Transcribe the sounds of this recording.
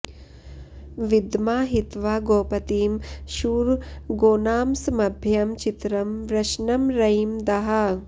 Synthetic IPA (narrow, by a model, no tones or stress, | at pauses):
ʋid̪maːɦit̪ʋaːɡoːpɐt̪iːmʃuːɾɡoːnaːmsɐmɐbʱjɐmt͡ʃit̪ɾɐmʋɾɐʃnɐmɾɐjmd̪ɐɦɐ